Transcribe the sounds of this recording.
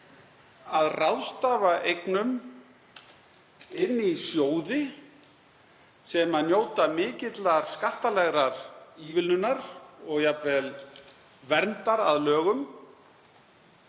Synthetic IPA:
aðrawðst̪aːvaʔejknʏm | ɪnːisjoːwðɪ | sɛmaðnjoːwt̪amɪːcɪt̪laɾ̥skaht̪alɛɣɾaɾ̥iːvɪlnʏnːaɾɔɣjapvɛl | vɛɾnt̪aɾa̰ðlœːɣʏm

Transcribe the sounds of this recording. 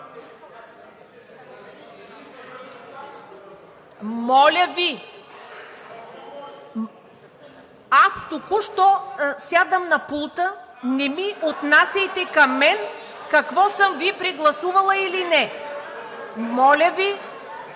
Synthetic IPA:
mɔlʲəvi | ast̪ukuʃt̪ɔsjad̪əmnɐpulˠt̪ənɛmiʔot̪nasʲɐjt̪ɛkɐmːɛn | kɐkvɔsɤmvipɾiɡlˠɐsuvɐlˠəilinɛ | mɔlʲəvi

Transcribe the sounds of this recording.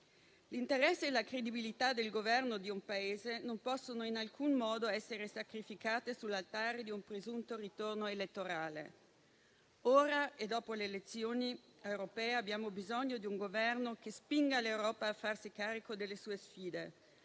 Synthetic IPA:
lint̪eɾɛsːeːlakɾed̪ibilit̪ad̪elɡovɛrnod̪iumpaeːzenompɔsːonoinalkunmɔːd̪oɛsːeɾesakɾifikaːt̪esulːalt̪aːɾed̪iumpɾezunt̪orit̪ornoelet̪ːoɾaːlḛ | oːɾaed̪ɔːpoleːlet̪sːjoːniewɾopɛːeabːjaːmobizoɲːod̪iuŋɡovɛrnok̟espiŋɡalewɾɔːpaːfːarsikaːɾikod̪elːesuːesfiːd̪e

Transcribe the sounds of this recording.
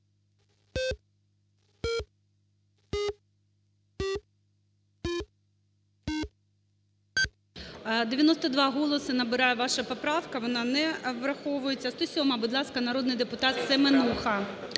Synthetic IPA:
d̪ejɐnɔst̪ɐd̪ʋɑɦɔlˠɔsɪnɐbɪɾɑjʊʋɑʃɐpɔpɾɑwkɐʋɔnɑnɛʋɾɐxɔʋʊjet͡sʲːɐst̪ɔsʲɔmɐbʊd̪lˠɑskɐnɐɾɔd̪nɪjd̪epʊt̪ɑt̪semenuxɐ

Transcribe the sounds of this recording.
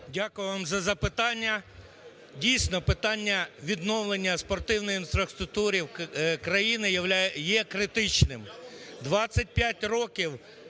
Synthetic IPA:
dʲakʊjɪʋamzɐzɐpɪt̪ɑnʲːɐ | dʲijsʲnɔpɪt̪ɑnʲːɐʋʲid̪nɔwlˠenʲːɐspɔrt̪ɪwnɔjinfɾɐst̪ɾʊk̚t̪uɾʲiwkɾɐjinɪjɐʋlʲjɛkɾɪt̪ɪt͡ʃnɪmd̪ʋɑt͡sʲːɐt̚ʲpʲjatʲrɔkʲiw

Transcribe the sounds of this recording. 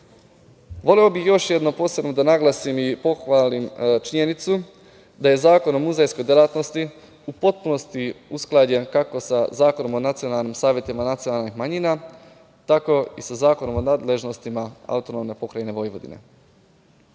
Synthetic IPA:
ʋo̞leobixjo̞ʃje̞d̪nopo̞ːsebno̞d̪anaɡlˠasimipo̞xʋaːlimt͡ʃiɲe̞nit̪su | d̪aje̞zaːko̞no̞muzejsko̞jd̪jelˠat̪no̞st̪i | upo̞t̪̚puno̞st̪iusklˠad͡ʑe̞nkako̞sazaːko̞no̞mo̞nat̪sio̞nalˠnimsaːʋje̞t̪imanat̪sio̞nalˠnixmaɲiːna | t̪ako̞isazaːko̞no̞mo̞naːd̪le̞ʒno̞st̪imaa̰ut̪o̞no̞mne̞po̞kɾajene̞ʋo̞jʋo̞d̪ḭne̞̰

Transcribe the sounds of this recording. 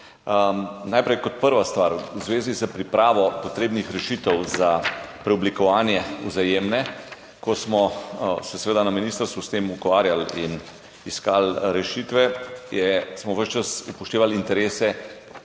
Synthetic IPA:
ənajpɾɛjkɔt̪̚pəɾʋast̪ʋaːɾwzʋeːzizəpɾipɾaːʋɔpɔt̪ɾeːbnixɾɛʃiːt̪əwzapɾɛublikɔʋaːnjɛuzajeːmnɛ | kɔsmɔsɛsɛʋeːd̪anaminiːst̪əɾst̪ʋust̪emukʋaːɾjalḭn | iskalɾɛʃit̪ʋɛjɛsmɔʋəʃt͡ʃəsupɔʃt̪eːʋalint̪ɛɾeːsɛ

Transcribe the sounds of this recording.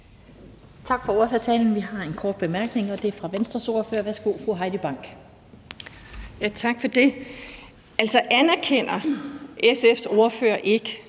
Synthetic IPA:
t͡sʰɑ̈ɡ̥fɒ̽o̝ːɐføɐt͡sʰɛ̰ːln̩ʋiɦɑ̈e̝nkʰɒːd̥b̥e̝mæɐɡ̥ne̝ŋɒ̽d̥e̝æɐfʁɑ̈ʋensd̥ʁɐso̝ːɐføɐʋæɐsɡ̥o̝̰ːfʁuɦɑ̈ɪd̥əb̥ɑ̈ŋ̰ɡ̥ | jæt͡sʰɑ̈ɡ̥fɒ̽d̥e̝ | ælsɒ̽ʔænæɐkʰen̰ɐesefso̝ɐføːɐ̰ʔe̝ɡ̥ə

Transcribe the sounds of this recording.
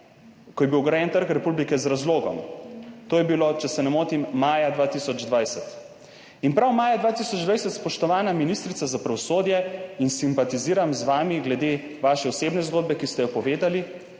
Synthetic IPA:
kɔjɛbiwɡɾajɛnt̪əɾkɾɛpublikɛzɾazloːɡɔ̰mt̪oːjɛbilot͡ʃɛsɛnɛmoːt̪imːaːjad̪ʋaːt̪isɔd͡ʒd̪ʋajsɛt̪ | inpɾawmaːjad̪ʋaːt̪isɔd͡ʒd̪ʋajsɛt̪spɔʃt̪ɔʋaːnaminist̪ɾit̪sazapɾaʋɔsoːd̪jɛinsimpat̪iziːɾamzʋaːmiɡlɛd̪e | ʋaːʃɛɔseːbnɛzɡoːd̪bɛkist̪ɛjɔpɔʋeːd̪ali

